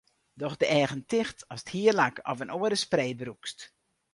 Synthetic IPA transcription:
dɔxdəʔɛːɣəntɪxtɔsə̥thiərlakɔ̰vənoəɾəspreːbəɾukst

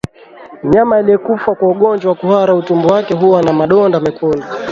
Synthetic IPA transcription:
ɲamailijɛkufakwauɠɔnd͡ʒwawakuhaɾautumbɔwakɛɦuwanamaɗɔndamɛkʰɔnda

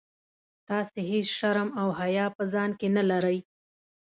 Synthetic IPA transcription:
t̪ɑseɦesʃaɾmawhajɑpəzɑnkenalaɾəj

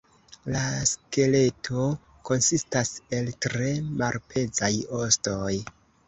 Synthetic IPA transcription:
laske̞le̞tʰo̞ | ko̞nsistase̞ltɾe̞malpʰe̞d͡zajostoj

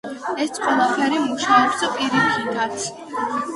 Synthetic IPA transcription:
ɛt̪ʼqʼwɛlˠapʰɛɾimuʃaɔpsapʼiɾikʰid̪ʰat̪sʰ

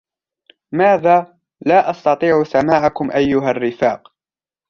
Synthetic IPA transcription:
maːðaː | laːʔɑst̪ɑt̪ˤiːʕʊsamaːʕakʊmʔajːʊɦarːɪfaːq

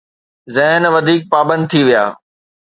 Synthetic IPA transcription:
zɛɦnʋɐd̪ʱiːk̚paːbə̃nd̪̚t̪ʰiʋija̰ː

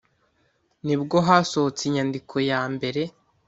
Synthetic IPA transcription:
nibɡo̞ɦasoot͡siɲandikʰo̞jaːmbe̞ɾe̞

